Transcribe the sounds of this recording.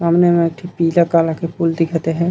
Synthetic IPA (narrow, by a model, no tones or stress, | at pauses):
amnemẽek̚ʈʰipiːlakaːlakepuːld̪ɪkʰat̪eɦɛ̃